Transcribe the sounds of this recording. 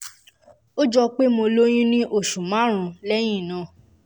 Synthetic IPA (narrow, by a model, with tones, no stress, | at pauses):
o˦d͡ʒɔ˧k͡pe˦mo˧lo˦j̃ĩ˦nĩ˦ʔo˦˨ʃũ˨mã˦ɾ̃ũ˨˧˦lɛ˦j̃ĩ˦˨nã˨